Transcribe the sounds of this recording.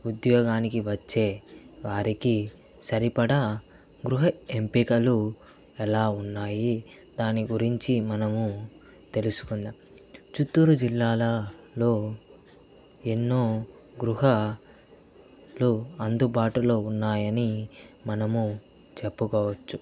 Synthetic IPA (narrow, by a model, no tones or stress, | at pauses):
ud̪jɔːɡaːnikiʋɐt͡ʃːe̞ːʋaːɾiki | sɐɾipɐɽɐ | ɡɾuɦɐempikɐlu | ɛlaːunːaːji | d̪aːniɡuɾiɲt͡ʃimɐnɐmu | t̪e̞lusu̥kund̪am | t͡ʃut̪ːuːɾud͡ʒilːaːlɐ | lo̞ː | enːoː | ɡɾuɦɐ | luɐnd̪ubaːʈulo̞ːunːaːjɐnimɐnɐmu | t͡ʃe̞pːukɔːʋɐt͡ʃːu